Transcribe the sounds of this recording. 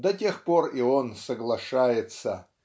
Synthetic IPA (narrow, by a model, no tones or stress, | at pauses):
d̪ɐtʲe̞xporionsəɡlˠɐʂajɪt̪sə